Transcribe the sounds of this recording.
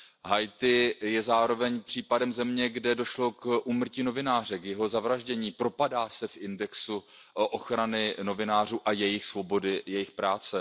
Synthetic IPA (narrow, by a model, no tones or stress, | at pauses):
ɦajt̪ɪjɛzaːɾo̞vɛɲpr̝̥iːpadɛmzɛmɲɛɡdɛdo̞ʃlo̞kʔuːmr̩ciːno̞vɪnaːrɛkjɛɦo̞zavɾaʒɟɛɲiːpɾo̞padaːsɛfʔɪndɛksuʔoxɾanɪno̞vɪnaːr̝uːʔajɛjɪxsvo̞bo̞dɪjɛjɪxpɾaːt͡sɛ